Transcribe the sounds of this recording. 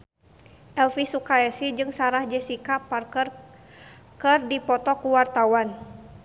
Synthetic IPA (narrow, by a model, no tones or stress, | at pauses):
ʔɛlfisukaɛsid͡ʒɨŋsaɾahd͡ʒɛsikapar | kərdipɔt̪ɔkuwart̪awan